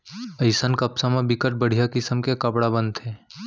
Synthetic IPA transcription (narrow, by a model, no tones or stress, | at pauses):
əɪsənkəpsãmẽbɪkəʈ̚bəɽ̤ijakɪsəmkekəpɽabənt̪ʰɦeː